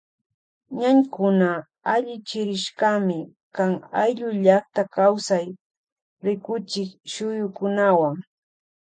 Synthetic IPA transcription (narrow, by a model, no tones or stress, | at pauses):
ɲaɲkʊna | aʎɪt͡ʃɪɾɪʃkamɪ | kaŋajʎʊʎaχt̪akawsaj | ɾɪkʊt͡ʃɪkʃʊjʊkʊnawaŋ